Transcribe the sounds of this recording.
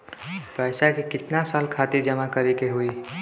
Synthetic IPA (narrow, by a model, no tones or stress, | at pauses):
pɛːsakikɪt̪nasaːlkʰaːt̪ɪɾd͡ʒɐmakɐɾekeɦʊi